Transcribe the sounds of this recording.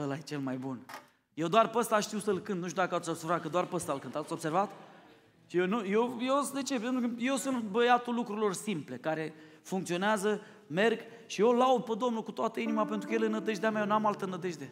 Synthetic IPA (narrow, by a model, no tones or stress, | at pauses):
əlajt͡ʃe̞lmajbun | je̞wd̪oarpəst̪aʃt̪iwsəlkɨnt̪nuʃt̪ud̪akəasʲobsuvɾat̪̚kəd̪oarpəst̪alkɨnt̪at̪sʲo̞b̥se̞rvat̪ | jewnujewjewsd̪e̞t͡ʃe̞pent̪ɾukəje̞wsunt̪bəjat̪ulːukɾuɾilo̞rsimple̞kaɾe̞ | fuŋkt̪sio̞neazə | me̞rɡ | ʃijolaud̪̚pəd̪o̞mnukut̪oat̪əinimape̞nt̪ɾukəjelenːəd̪eʒd̪eamʲajnamalt̪ənːəd̪eʒd̪e